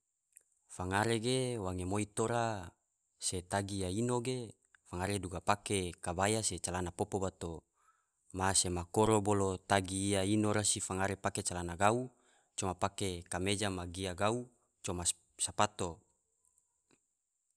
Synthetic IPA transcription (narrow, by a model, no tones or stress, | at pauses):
faŋaɾeɡewaŋemoit̪oɾa | set̪aɡijainoɡe | faŋaɾeduɡapakekabajaset͡ʃalanapopobat̪o | masemakoɾobolot̪aɡijainoɾasifaŋaɾepaket͡ʃalanaɡau | t͡ʃomapakekamed͡ʒamaɡiaɡau | t͡ʃoma | sapat̪o